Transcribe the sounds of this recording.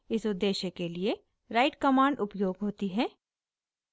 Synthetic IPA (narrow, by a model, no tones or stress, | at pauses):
ɪsʊd̪eːʃekelie | ɾaːɪʈkɐmaːɳɖʊpjoːɡɦoːt̪iɦɛː